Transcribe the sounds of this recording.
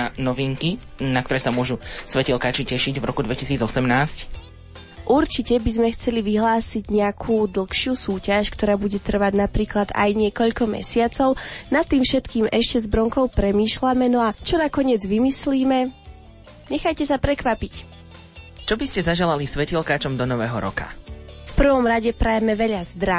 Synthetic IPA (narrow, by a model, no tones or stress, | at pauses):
anɔʋiŋkinak̚t̪ɔɾɛːsamʊɔʒusʋɛcɛlkaːt͡ʃicɛʃiɟvɾɔ̰kud̪ʋɛcisiːd͡zɔsɛmnaːsc | ʔuɾt͡ʃicɛbizmɛxt͡sɛliʋiɦlaːsiɟɲɛakʰuːd̪l̩xʃɪusuːcaʃkt̪ɔɾaːbuɟɛt̪r̩ʋaɟnapɾiːklad̪a̰jɲɪɛkɔʎkɔmɛ̰sɪat͡sɔʊnat̪ːiːmfʃɛt̪kiːmɛʃcɛzbɾɔŋkɔʊpɾɛmiːʃlamɛnɔat͡ʃɔnakɔɲɪɛd͡zʋimisliːmɛ | ɲɛxajcɛsapɾɛkʋapic | t͡ʃɔbiscɛzaʒɛlalisʋɛcilkaːt͡ʃɔmd̪ɔnɔʋɛːɦɔ̰ɾɔ̰ka̰fpr̩ʋɔmɾaɟɛpɾɛjɛmɛʋɛʎazd̪ɾa